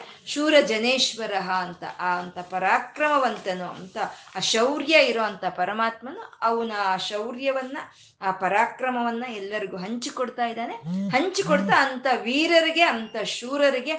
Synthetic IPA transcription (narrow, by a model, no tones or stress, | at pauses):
ʃuːɾɐd͡ʒɐneːʃʋɐɾɐɦɐːnt̪ɐ̰ʔːɐnt̪ɐpɐɾaːkɾɐmɐʋɐnt̪ɐnuɐ̰nt̪ɐʃɐwɾjɐiɾoːɐnt̪ʰɐpɐɾɐmaːt̪mɐnuɐʋɐnɐːʃɐwɾjɐʋɐnːɐː | pɐɾaːkɾɐmɐʋɐnːɐɛlːɐɾiɡuːɦɐɲt͡ʃikoɽt̪aːjd̪aːne̞ɦɐɲt͡ʃikoɽt̪ɐːnt̪ɐʋiːɾɐɾiɡe̞ɐnt̪ɐʃuːɾɐɾiɡe̞